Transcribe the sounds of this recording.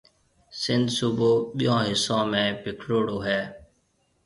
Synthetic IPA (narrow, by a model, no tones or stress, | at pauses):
sɪ̃nd̪suboːɓijãːɦɪsõːmẽːpɪkʰɾoːɽoːɦɛː